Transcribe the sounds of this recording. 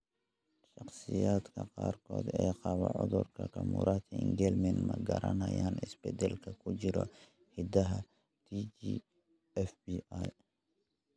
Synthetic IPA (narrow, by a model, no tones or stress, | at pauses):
ʃɑqsɪjaːd̪kʰɐqɑːrkʰɔːd̪ɛjqɑβɐʕʊðʊrkʰɐkʰɐmṵːɾɐt̪ʰɐɪŋɡɛlmɛnmɐɡɐɾɐnɐjaːnɪsbɛd̪ɛlkʰɐkʰʊt͡ʃɪɾɔ | hɪd̪ɐɦɐ | t̪ʰit͡ʃi | ɛfbiaj